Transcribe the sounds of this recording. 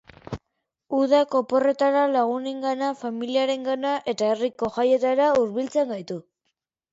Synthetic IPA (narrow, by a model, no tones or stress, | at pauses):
uðako̞po̞re̞t̪aɾalaɣ̞une̞ŋɡanafamiliaɾe̞ŋɡanaʔe̞t̪ae̞riko̞ʝaje̞t̪aɾauɾβilt͡se̞ŋɡajt̪u